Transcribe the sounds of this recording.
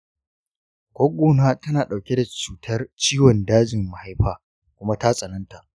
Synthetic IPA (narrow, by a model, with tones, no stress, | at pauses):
kʷoː˦ɡʷoː˨naː˦tɐ˦naː˨ɗa˨wkʲe˦da˨t͡ʃuː˨tʰɐ˦rt͡ʃiː˦wɔ˨ndaː˦d͡ʒɪ˨mːɐ˨ha˦jɸaː˨ | kʷʊ˦ma˦ta˦sʼɐ˨nɐ˦nta˨ʔ